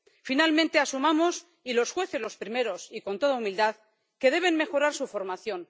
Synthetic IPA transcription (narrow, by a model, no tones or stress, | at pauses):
finalmẽ̞nt̪e̞asumamo̞s | ilo̞sxwe̞θe̞zlo̞spɾime̞ɾo̞siko̞nt̪o̞ðaumild̪að | ke̞ðe̞β̞e̞nme̞xo̞ɾaɾsufo̞ɾmaθjo̞n